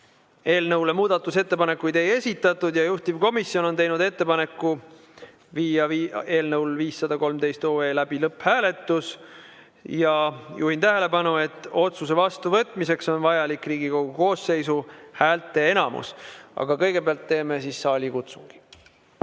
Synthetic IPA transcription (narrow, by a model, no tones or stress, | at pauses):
e̞ːlnɤwlemuːd̪̥ɑt̪ːˑuse̞t̪ːe̞pɑne̞kːˑujd̪e̞je̞sʲit̪ːˑɑt̪ˑːud̪̥jɑjuht̪ib̥ko̞misjo̞no̞nt̪e̞jnud̪e̞t̪ːe̞pɑne̞kːˑu | viːjɑeːlnɤwlviːsːɑd̪ɑko̞lmd̪e̞jst̪oːe̞ːlæb̥ilɤpːhæːle̞t̪ːˑus | jɑjṵhint̪æɦe̞le̞pɑnue̞t̪ːˑo̞t̪suse̞vɑst̪uvɤt̪ːˑmise̞kso̞nvɑjɑlikriːɡ̥iko̞ɡ̥uko̞ːsːe̞jsuhæːlt̪ːˑe̞enɑmṵsɑ̰ɡ̥ɑkɤjɡ̥e̞beɑlt̪ːe̞ːme̞sisːɑːlʲikut̪suŋɡ̥i̥